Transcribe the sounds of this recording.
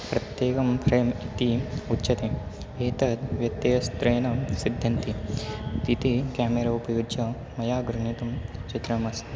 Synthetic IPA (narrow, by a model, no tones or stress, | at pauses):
pɾɐt̪jeːkɐmpɾeːmit̪iutːʃɐt̪e | eːt̪ɐt̪ʋjɐt̪ːeɐst̪ɾeːnɐsid̪ʱjɐnt̪it̪it̪ikaːmeɾɐupɐjud͡ʒɐ | mɐjaːɡɾuɳit̪umt͡ʃit̪ɾɐmɐst̪